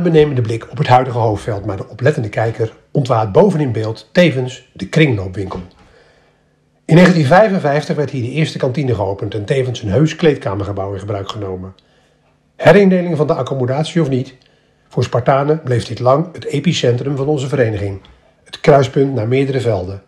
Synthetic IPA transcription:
bənejməndəblɪkʰɔpɦətɦœɥdəχəɦowftfɛlˠtmaːɹdəʔɔplɛtəndəkɛjkər | ɔntʋaːt̚bowvənɪnbeːlˠttejvənsdəkrɪŋlowpʋɪŋkəlˠ | ɪnːejχəntinvɛjvənvɛjftəχʋɛɹtɦiːɹdəʔɪːɹstəkɑntinəχəowpəntɛntejvənsənɦøɥsklejtkaːməɹχəbʌwɪnχəbrœɥkχənowmən | hɛɾendejlɪŋvɑndəʔɑkomydaːtsiɔfnit | vʊːɹspɑɹtaːnəblejvdɪtlɑŋətejpisɛntrəmvɑnɔnzəvəɾejnəχɪŋ | ətkrœɥspɵntnaːɹmɪːɹdəɾəvɛlˠdə

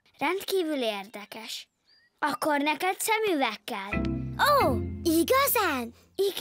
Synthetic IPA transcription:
rɛnt̪kiːvyleːrd̪ɛkɛʃ | ɒkːornɛkɛd̪sɛmyːvɛkːɛloːiɡɒzan | iɡ

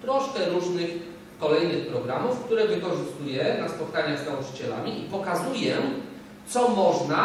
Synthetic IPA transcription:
t̪ɾɔʂkɛɾuʐnɘx | kɔlɛjnɘxpɾɔɡɾamufkt̪uɾɛvɘkɔʐɘst̪ujɛnaspɔt̪̚kaɲaɣznaut͡ʂɘ̥t͡ɕɛla̰mʲiʔipɔkazujɛ | t̪sɔmɔʐna

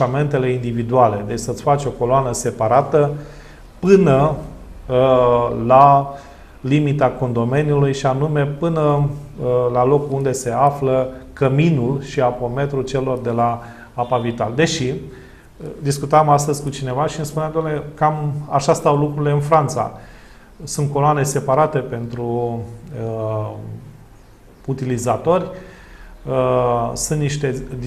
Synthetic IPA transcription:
ame̞nt̪e̞le̞ind̪ivid̪uale̞d̪e̞t͡ʃʲsəɨt̪ʲfat͡ʃʲo̞ko̞loanəse̞paɾat̪ə | pɨnə | la | limit̪ako̞nd̪o̞me̞njulujʃianume̞pɨnə | lalo̞kuund̪e̞se̞afləkəminulʃiapo̞me̞t̪ɾult͡ʃe̞lo̞rd̪e̞la | apavit̪ald̪e̞ʃi | d̪iskut̪amast̪əzʲkut͡ʃine̞vaʃiɨnspuneamd̪olekamaʃast̪awlukɾurile̞ɨnfɾant̪sa̰ | sunt̪̚ko̞loane̞se̞paɾat̪e̞pe̞nt̪ɾu | ə | t̪ilizat̪o̞rʲ | əsunt̪niʃt̪e̞

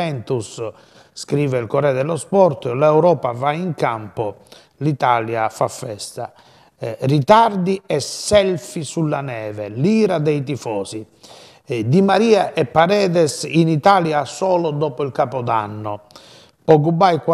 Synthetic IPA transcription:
ɛnt̪usː | kɾiːvɛilkɔɾɛd̪ɛlːɔspɔɾt̪ɔlɛwɾɔːpavaiŋkampɔ | lit̪aːljafafːɛst̪a | rit̪aɾd̪iɛsːɛlfisulːanɛːvɛliːɾad̪ɛit̪̬ifɔːzi | d̪imaɾiːaʔɛpːaɾɛːðɛsinit̪aːljasɔːlɔd̪ɔːpɔilkapɔd̪a̰nːɔ | ɔkubajkw

